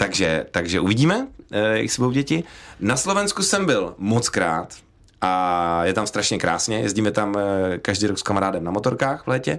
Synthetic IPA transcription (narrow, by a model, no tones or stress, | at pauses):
t̪aɡʒɛ̰t̪aɡʒɛʔuvɪɟiːmɛjɛ̰sbowɟɛcɪnaslo̞vɛnskusɛmbɪlmot͡skɾa̰ːt̪ | ʔajɛt̪amst̪ɾaʃɲɛkɾa̰ːsɲɛjɛzɟiːmɛt̪amkaʒdiːɾokskamaɾaːdɛmnamot̪oɾkaːxvlɛːcɛ